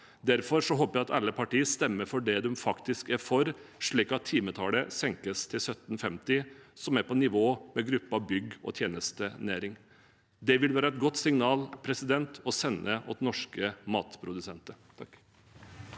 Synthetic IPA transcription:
d̪æɾfɔɾʂɔɦoːpəæɪɑt̪ɑlːəpʰɑʈiːəst̪ɛmːəɾfɔɖɛd̪ɛmfɑkt̪ɪskæɾfɔɾʂɭiːkɑt̪ʰːiːmət̪ʰɑːləsɛŋkəst̪ʰɪlsœt̪n̩fɛmt̪ɪsɔmæɾpʰɔnɪʋoːmɛɡɾʉpːɑbʏɡɔ̰t̪ʰjeːnəst̪ənæːɾɪŋ | d̪ɛʋɪlʋæːɾəɛt̪ɡɔt̪ːsɪŋnɑːlpʰɾɛsɪd̪ɛnt̪ʰɔsɛnːəʔɔt̪nɔʂkəmɑːt̪pʰɾʊd̪ʉsɛnt̪ət̪ʰ

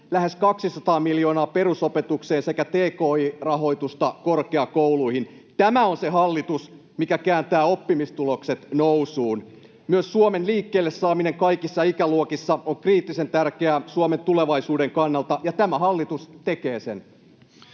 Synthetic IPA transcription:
læɦeskɑksisɑt̪ɑːmiljoːnɑːpe̞ɾusopet̪ukseːnse̞kæt̪eːkoːirɑɦo̞it̪ust̪ɑkorkeɑkouluihin | t̪æmæonseɦɑlːit̪us | mikækæːnt̪æːo̞pːimist̪ulokset̪nowsuːn | myøssuomenliːkːeːlːesːɑːmineŋkɑikisːɑikæluokisːɑoŋkriːt̪ːise̞nt̪ærkeæsuome̞nt̪uleʋɑisuːdeŋkɑnːɑlt̪ɑjɑt̪æmæɦɑlːit̪ust̪ekeːsḛn

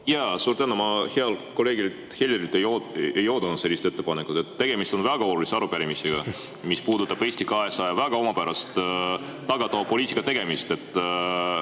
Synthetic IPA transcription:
jɑsuːɾt̪ænumɑheɑlko̞le̞ɡilt̪he̞lʲjeɾilt̪ːˑejoejo̞ːd̪unud̪se̞lːist̪e̞t̪ːe̞pɑnekːˑut̪e̞t̪ːe̞ɡ̥e̞mist̪o̞nvæɡ̥ɑo̞luliseɑɾupæɾimiseɡ̥ɑ | mispuːd̪ut̪ːˑɑb̥e̞ːsʲt̪ikɑe̞sɑjɑvæɡ̥ɑo̞mɑpæɾʔɑst̪t̪ːɑɡɑt̪ːɑvɑpo̞liːt̪ikːˑɑt̪e̞ɡ̥e̞mist̪e̞t̪ːˑ

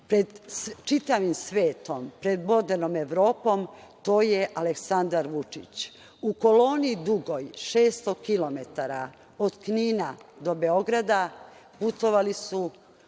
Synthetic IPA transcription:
pɾed̪t͡ʃit̪aʋimsʋeːt̪o̞mpɾe̞d̪mo̞d̪enome̞ʋɾo̞ːpo̞mt̪o̞ːjeʔaleksand̪aɾʋut͡ʃit͡ɕ | uko̞lo̞ːniːd̪uɡo̞jʃeːst̪okilo̞met̪aɾa | od̪kniːnad̪o̞be̞o̞ɡɾad̪a | put̪o̞ʋalisu

